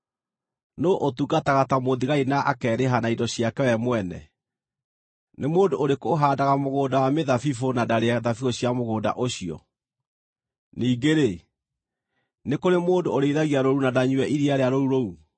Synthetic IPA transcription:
noʔotuɡataɣatamoðiɣainaʔakɛːɾeɦanaidɔɕijakɛwɛmwɛnɛ̰ | nemoːndooɾekoɦaːdaɣamoɣoːdawameðafifonadaɾeaðafiɣoɕiamoɣoːda̰ʔoɕiɔ̰ | niːɡeɾe | nekoɾemoːndooɾeiðaɣiaɾoɾunadaɲuwɛʔiɾiaɾeaɾouɾou

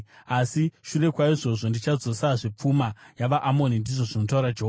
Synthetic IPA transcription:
asiʃure̞kwaiʐo̞ʐo̞ndit͡ʃad͡zo̞saʐip͡fumajaʋaʔamo̞nindiʐo̞ʐinotauɾad͡ʒeɦoːa

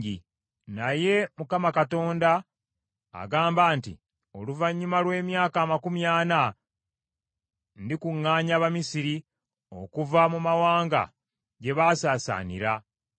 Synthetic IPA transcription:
i | naje̞mukamakato̞ːnda̰ː | ɡaːmbaːntḭ | o̞luvaɲːumalwe̞ːmjaːkaːmakumjaːna | ndikuŋːaːɲaβamisiɾi | o̞̰kuvamumawaːŋɡa̰ | ɟe̞βaːsaːsa̰ːnḭɾa

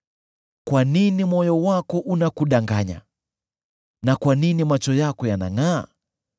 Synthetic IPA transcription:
kwaninimɔjɔwakɔʔunakuɗaŋɡaɲa̰ | nakwaninimat͡ʃɔjakɔjana̰ŋaː

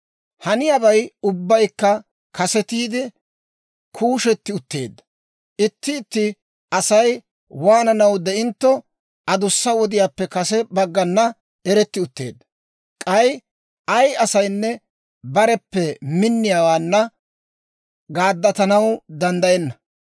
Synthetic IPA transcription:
hɐnɪjabɐjʊbːɐjkːɐ | kɐsɛt̪iːd̪ɪ | kʰuːʃɛt̪ːɪʊt̪ːe̞̰ːd̪ːɐ̥ | ʔɪt̪ːɪːt̪ːɪ | ɐsɐj | waːnɐnɐwd̪ɛɪnt̪ːɔ | ɐd̪ʊsːɐwɔd̪ɪjaːpːɛkɐsɛbɐɡːɐnːɐ | ɛɾɛt̪ːɪʊt̪ːe̞̰ːd̪ːɐ̥ | kʼɐj | ɐjɐsɐjnːɛ | bɐɾɛpːɛmɪnːɪjaːwaːnːɐ | ɡaːd̪ːɐt̪ɐnɐwd̪ɐnd̪ɐjɛnːɐ

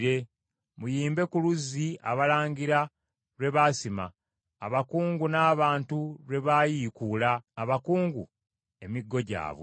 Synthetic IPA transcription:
ɾe̞ | mujiːmbe̞kuluzia̰βalaːɲɟiɾa | ɾwe̞βasimaː | βakuːŋɡunaːβaːntuɾwe̞βaːjiːkuːlaːβakuːŋɡṵ | e̞miɡːo̞ɟa̰ːβw

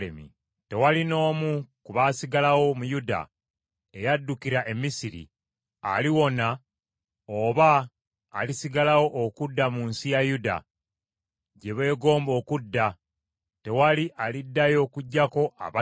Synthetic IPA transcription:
ḛmḭ | te̞walino̞ːmukuβaːsiɡalawo̞mujuda̰ | e̞jadːukiɾaʔe̞misiɾḭ | a̰liwo̞na | oβaː | lisiɡalawo̞ʔːkudːamunsijajuda̰ | ɟe̞βe̞ːɡo̞ːmbo̞ːkudːa | te̞waliʔalidːajo̞ːkuɟːako̞ʔa̰βa

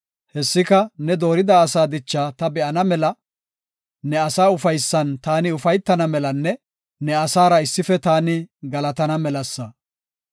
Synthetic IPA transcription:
hɛsːɪkɐnɛd̪o̞ːɾɪd̪aːsaːd̪ɪt͡ʃːaːt̪ɐbɛʔɐnɐmɛlɐ | nɛɐsaːʊfɐjsːɐnt̪aːnɪʊfɐjt̪ːɐnɐmɛlɐnːɛ | nɛɐsaːɾɐɪsːɪfɛt̪aːnɪɡɐlɐt̪ɐnɐmɛlɐsːɐ

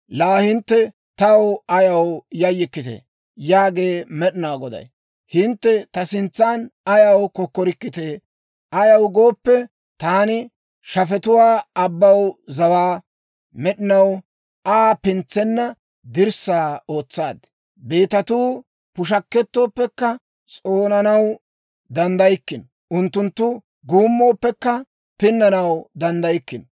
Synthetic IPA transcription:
laːhɪnt̪ːɛ | t̪ɐwɐjɐwjɐjːɪkːɪt̪ɛ̰ | jaːɡe̞ːmɛɗɪnawɡɔd̪ɐ̰j | hɪnt̪ːɛt̪ɐsɪnt͡sːaːnɐjɐwkɔkːɔɾɪkːɪt̪eː | ʔɐjɐwɡo̞ːpːɛ | t̪aːnɪ | ʃɐfɛt̪ʊwaːɐbːɐwzɐwaː | mɛɗɪnɐw | ʔaːpɪnt͡sːɛnːɐ | d̪ɪɾsaːo̞ːt͡sːaːd̪ | be̞ːt̪ɐt̪uː | pʊʃ̬ɐkːɛt̪ːo̞ːpːɛkːɐ | t͡sʼoːnɐnɐw | d̪ɐnd̪ɐjɪkːɪn | ʔʊnt̪ːʊnt̪ːʊ | ɡuːmːo̞ːpːɛkːɐ | pɪnːɐnɐwd̪ɐnd̪ɐjɪkːɪn

